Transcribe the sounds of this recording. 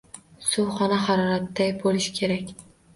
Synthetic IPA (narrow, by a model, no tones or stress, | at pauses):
sʊwχɒnaɦɑɾɒɾat̪ːajbolɪʃkʲʰe̞ɾakʲ